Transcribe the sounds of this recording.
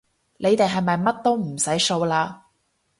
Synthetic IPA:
le˨˧jt̪e˨jɦɐ˨jmɐ˨jmɐ˥t̚t̪o˥wm̩˨˩sɐ˨˥jso˧wlaː˧

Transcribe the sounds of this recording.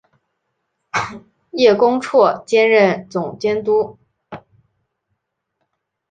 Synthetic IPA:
jɛ˥˩kʊ˥ŋʈ͡ʂʰwɔ˥˩t͡ɕjɛ˥nɻə˥˩nt͡sʊ˨˩ŋt͡ɕjɛ˥nt̪u˥

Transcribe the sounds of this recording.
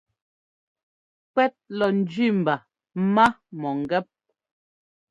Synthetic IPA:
kɛ˦t̚lɔ˨n̩˨d͡ʒɥi˦˨m̩˨ba˨˦ | ma˦mɔ˨ŋ˨ɡɛ˦p̚

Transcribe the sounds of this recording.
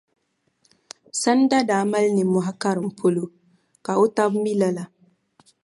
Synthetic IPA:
sa˦n˦da˦daː˨˦ma˦lnɪ˨mʊ˨ɦa˦ka˦ɾɨ˨m̩˨pʰo˦lo˨ | ka˨o˦ta˦bmi˦la˦la˨

